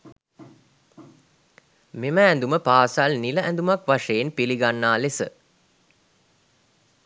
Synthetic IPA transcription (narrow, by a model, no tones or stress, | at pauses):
meməænd̪uməpaːsalniləʔænd̪umakʋaʂeːnpiliɡanːaːlesə